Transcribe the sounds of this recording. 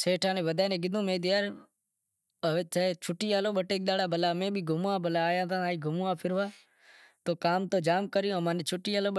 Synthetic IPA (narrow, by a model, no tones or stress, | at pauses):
seːʈʰãːnẽːʋəd̪ʱaːnẽːɡɪd̪ũːmẽːd̪ɪjaːɾ | eːt͡ʃaːet͡ʃʰʊʈːiːaːloːɓəʈeːk̚ɗ̪aːɽaːbʱəlaːmẽːbʱiːɡʱʊmːãːbʱəlaːjãːt̪ãːaːiːɡʱʊmuãːpʰɪɾʋaː | t̪oːkaːmt̪oːd͡ʒaːmkəɾɪjõːmãːneːt͡ʃʰʊʈːiːaːloː